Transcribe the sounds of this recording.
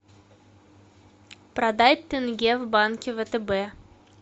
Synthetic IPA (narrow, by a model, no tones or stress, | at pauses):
pɾɐd̪at̪ʲːɪnɡʲevbankʲɪvət̪ɛbɛ